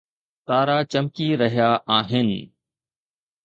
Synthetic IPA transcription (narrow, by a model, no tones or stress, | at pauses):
t̪aːɾat͡ʃɐmkiɾɐɦijaʔaːɦɪnɪ̆